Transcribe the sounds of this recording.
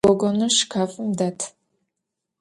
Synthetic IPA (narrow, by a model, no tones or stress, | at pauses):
ɔɡʷɔnɨʃkʰaːfʼɨmdatʰ